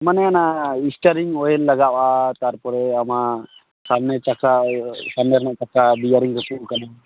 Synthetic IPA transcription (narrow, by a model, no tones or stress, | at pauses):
manɛanaisʈaɾiŋɔjɛlːaɡaʔat̪aɾpɔɾɛama | samnɛt͡ʃakasamnɛɾnaʔt͡ʃakab̪ijaɾiŋkɛkuʔkana